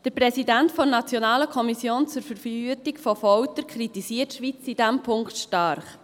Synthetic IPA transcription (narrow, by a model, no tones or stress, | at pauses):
d̥əɾprɛsidæntfɔnɑt͡sjɔnɑːləkʰɔmisjoːnt͡sʊɾfəɾfhyətɪkfɔfɔwtəɾkʰɾitisiətʃʋit͡sid̥æmpʰʊŋktʃtɑɾχ